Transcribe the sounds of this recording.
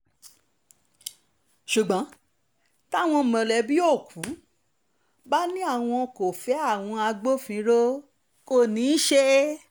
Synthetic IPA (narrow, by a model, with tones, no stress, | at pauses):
ʃu˨ɡ͡bɔ̃˨˦ | ta˦˨w̃ɔ̃˧˨mã˨lɛ˨bi˦o˦˨kʰu˨˦ | ba˦nĩ˦a˦˨w̃ɔ̃˧ko˨fɛ˨˦a˦˨w̃ɔ̃˧a˧ɡ͡bo˦fĩ˧ɾo˦ | ko˦˨nĩ˨˦ʃe˦